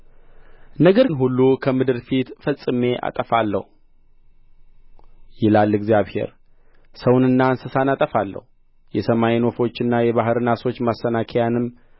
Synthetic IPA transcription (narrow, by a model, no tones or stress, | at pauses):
nəɡəɾɨnɦulːukʰəmɨd̪ɨɾfit̪fəsʼɨme̞ʔa̰t̪ʼəfalːə̰hu | jɪlalːɨɡzjaβhe̞̰ɾ | səwnɨnːansəsanat̪ʼəfalːə̰hu | jɛsəmajino̞fo̞t͡ʃːɪnːajɛβaɦɨɾɨnaso̞t͡ʃːmasːənakʰəjanɨmː